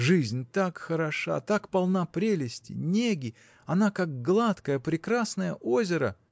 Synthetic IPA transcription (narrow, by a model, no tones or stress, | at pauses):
ʐɨzʲnʲt̪akxəɾɐʂa̰t̪akpɐlˠnapɾʲelʲɪsʲtʲɪ̰nʲeɡʲɪ | ɐnakaɡ̚ɡlˠat̪kəjəpɾʲɪkɾasnəjəʔozʲɪɾə̰